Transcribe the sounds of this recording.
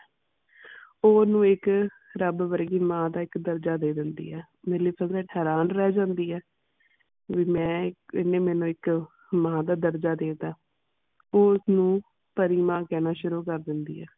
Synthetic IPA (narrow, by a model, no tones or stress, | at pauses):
oːnũːɪk | ɾəbʋəɾɡiːmãːd̪aːɪkd̪əɾd͡ʒaːd̪eːd̪ɪnd̪ḭːɛː | meːliːpʰəzɾəʈʰɦɛːɾaːnɾɛːd͡ʒãːnd̪iːɛː | ʋiːmɛ̃ːɪnːẽːmɛ̃ːnũːɪk | mãːd̪aːd̪əɾd͡ʒaːd̪eːd̪aː | oːʊsnũː | pəɾiːmãːkɛːnaːʃʊɾuːkəɾd̪ɪnd̪ḭːɛː